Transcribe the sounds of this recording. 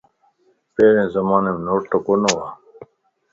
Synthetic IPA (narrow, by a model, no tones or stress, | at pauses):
peːɾẽːzɐmaːnemnoːʈʈokonowaː